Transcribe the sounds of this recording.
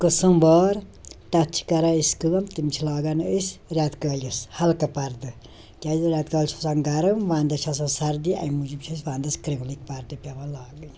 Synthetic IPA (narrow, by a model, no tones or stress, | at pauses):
kɨsɐmbɔːɾt̪ɐtt͡ʃʰi̥kɐɾaiskɨlɐmt̪imt͡ʃʰilaːɡɐnəsɾʲat̪kɐːlʲjishɐlkɐpɐɾd̪ɨ | kʲaːzɾʲat̪kɐːlʲt͡ʃʰusɐnɡɐɾɨmʋaːnd̪ɐt͡ʃʰɐs̬ɐsɐɾd̪iɐ̰jmud͡ʒimʲt͡ʃʰis̬ʋaːnd̪ɐskɾeɡlikpɐɾd̪ɨpʲɐʋɐlaːɡɨn